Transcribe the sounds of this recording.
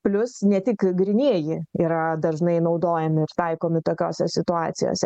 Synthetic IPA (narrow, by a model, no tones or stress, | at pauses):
plʲʊsnʲɛt̪ʲɪkɡɾʲɪnʲiɛjɪiːɾɐd̪ɐrʒnɐɪnɐʊd̪oːjɛmʲɪɪɾt̪ɐɪkoːmʲɪt̪oːkʲo̰ːsʲɛsʲɪt̪ʊɑ̰ːt̪sʲɪ̰jo̰ːsʲɛ